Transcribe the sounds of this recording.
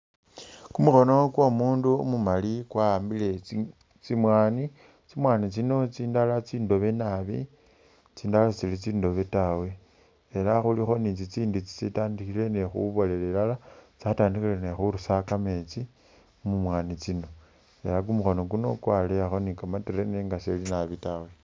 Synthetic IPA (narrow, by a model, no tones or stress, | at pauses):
kumuxo̞no̞kwomuːnduomumalikwambile̞ | t͡simwaːni | t͡simwanit͡sino̞t͡siːndalat͡siːndo̞βe̞naβḭ | t͡siːndalat͡silit͡siːndo̞βe̞tawe̞ː | laxulixo̞nit͡sit͡siːndut͡si̥t͡sitaːndixile̞nexṵβo̞le̞lelalat͡sataːndixile̞nexuɾusakamet͡si | umumwanit͡sino̞ | e̞laɡ̬umuxo̞no̞ɡuno̞̰kwaleaxo̞nikamatiɾeneŋɡaselinaβitawe̞